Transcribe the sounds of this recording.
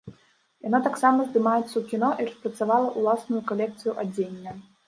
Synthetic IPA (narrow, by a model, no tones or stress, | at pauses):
janat̪aksamɐzd̪ɨmajɛt̪sːɐwkʲinɔʔirɐspɾɐt̪savalˠɐʔulˠasnujukalʲɛk̚t̪sɨjuʔad͡zʲenʲːɐ